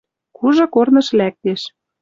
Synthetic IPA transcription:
kuʒɤ̆kornɤ̆ʃlæk̚t̪eʃ

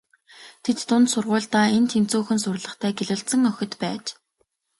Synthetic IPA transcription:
t̪ʰet̪ːʊnt̪sʊrʁʊːɮt̪aːent̪ʰemt͡suːxɘ̆nsʊrɮə̆χt̪ʰæːɡeɮɘ̆ɮt̪sə̆ŋœxʲɪ̆t̪pæːt͡ɕ

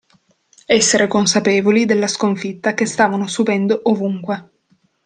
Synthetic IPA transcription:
ɛsːeɾekonsapeːvolid̪elːaskoɱfit̪ːakest̪aːvanosupɛnd̪oʔovuŋkwe

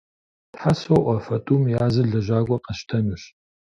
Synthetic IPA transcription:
tħasoʔʷɐfɐtʰʼuːmjaːzɨɮɐʒʷaːɡʷɐqɐʃtʰɐnɨɕ

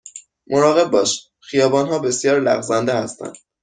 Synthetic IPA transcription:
mʔoɾɒːɣe̞b̚ːɒːʃ | xijɒːbɒːnɦɒːbe̞sjɒːɾlæ̰ɣzænd̪ehæst̪æ̰nd̪̥

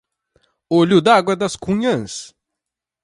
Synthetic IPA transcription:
oʎud̪aɡwɐd̪ɐskũɲɐ̃s

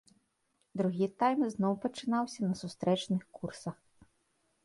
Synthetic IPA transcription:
d̪ɾuɣʲit̪ajmznɔwpɐt͡ʂɨnawsʲɐnɐsust̪ɾɛt͡ʂnɨxkursɐx

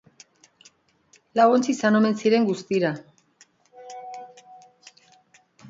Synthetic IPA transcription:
laβont͡sisano̞me̞nsiɾe̞ŋɡust̪iɾa

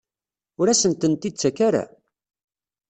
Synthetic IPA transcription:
ʊɾæsənt̪ənt̪id̪̚t͡sːækaɾa̰

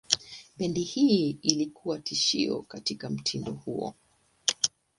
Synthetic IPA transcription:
pɛndihiilikʰuwatiʃiɔ̰katikam̩tʰindɔhuɔ̰

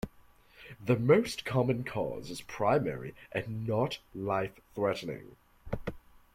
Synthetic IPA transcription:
ðəmoʊskʰɑmə̃nkʰɔ̰zɨz̥pʰɹ̥aɪmɛ̰ɹḭʔɨ̃nːətlaɪfθɹɛʔn̩ɪ̰̃ŋ

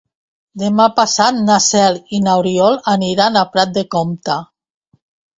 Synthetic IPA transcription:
d̪emapasat̪nasɛlinawɾiɔlaniɾanapɾat̪̚d̪ekomt̪a

